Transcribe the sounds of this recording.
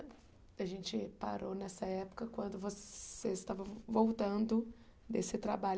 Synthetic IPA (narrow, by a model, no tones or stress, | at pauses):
aʒẽnt͡ʃɪpa̰ɾonɛsɐɛpʊ̥kɐkwɐ̃nd̪ʊvosseɪst̪avɐvowt̪ɐ̃nd̪ʊ | d̪esɪt̪ɾabaʎ